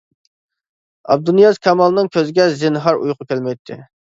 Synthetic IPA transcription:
ɑ̰b̚d̪unjɑzkʲʰɑmɑlˠnɨŋkʲʰøzɪɡʲɛzɪnɦɑɾṵjqʰʊkʲʰælmɛjt̪ʰːɪ̰

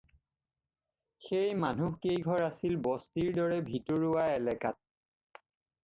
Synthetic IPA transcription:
xejmanukejɡʱɔɹasilbɔstiɹdɔɹɛbʱitɔɹuwaɛlɛka̰t̚

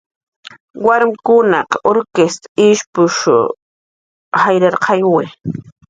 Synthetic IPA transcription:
waɾmɪkʊnɑqoɾkest̪ḁɪʃpʊʃʊ̰ | hajɾaɾqʰɑjwɪ

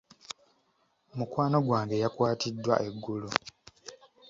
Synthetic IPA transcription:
mukwaːno̞ɡwaːŋɡe̞jakwaːtidːwa̰ʔe̞ɡːulu

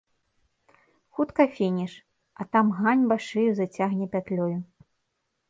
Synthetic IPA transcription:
xut̪kɐfʲenʲɛʂ | ɐt̪amɣanʲbaʂɨjuzɐt͡sʲaɣnʲɛpʲat̪lʲɔju

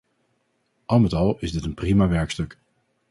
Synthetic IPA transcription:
ʔɑlˠmətɑlˠɪzdɪtənprimaʋɛɹkstɵk

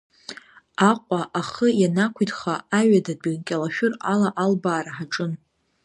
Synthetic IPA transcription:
aqʷʼaʔaχəjanakʷʰitʰʼχaaɥadadankʲʼalaʃᶣʊralaʔalbaːɾaħaʈ͡ʂʼɨn

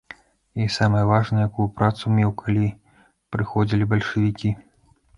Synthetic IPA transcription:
isamɐjɐvaʐnɐjakujupɾat̪sumʲɛwkʰalʲi | pɾɨxɔd͡zʲilʲibɐlʲʂɨvʲikʲi

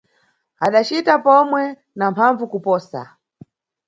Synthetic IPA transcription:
aɗat͡ʃitapɔmwɛ | nampʰaɱvukupɔːsa̰

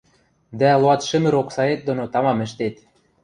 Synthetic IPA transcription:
d̪æloɑt̪ʃɘ̆mɘ̆ɾoksɑet̪̚d̪onot̪ɑmɑmɘ̆ʃt̪et̪

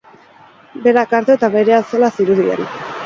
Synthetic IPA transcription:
be̞ɾakaɾt̪oet̪aβeɾe̞alt͡solasiɾuðia̰ɾḭ

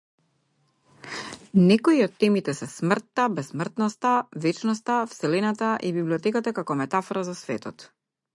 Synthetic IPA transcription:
nɛkoiɔt̪ːɛmit̪ɛsɛsmr̩t̪ːabɛsːmr̩t̪nɔst̪avɛt͡ʃnɔst̪afsɛlɛnat̪aʔibibliɔt̪ɛkat̪akakɔmɛt̪afɔɾazasvɛt̪ɔt̪

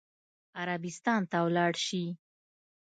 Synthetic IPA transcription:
aɾabɪst̪ɑnt̪awlɑɽʃi

